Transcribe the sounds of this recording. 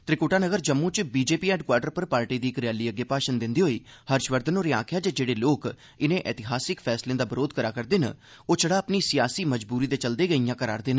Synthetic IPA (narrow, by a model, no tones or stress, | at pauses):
t̪ɾɪkoːʈaːnəɡəɾd͡ʒəmːũːt͡ʃbiːd͡ʒeːpiːɛ̃ːɳɖkwaːɖəɾpəɾpaːɾʈiːd̪iːɪkɾɪjaːliːəɡːeːpaːʃənd̪ɪnd̪iːɦoːiːhəɾʃʋəɾd̪ənoːɾeã̰ːkʰɪjaːd͡ʒeːd͡ʒeːɽeːloːk | ɪnẽːʔɛːt̪ɪɦaːsɪkpʰɛːslẽːd̪aːbəɾoːd̪̚kəɾaːkəɾd̪eːnə̰ | oːt͡ʃəɽaːəpniːsɪjaːsiːməd͡ʒbuːɾiːd̪eːt͡ʃəld̪eːɡəijãːkəɾa̰ːɾd̪eːnə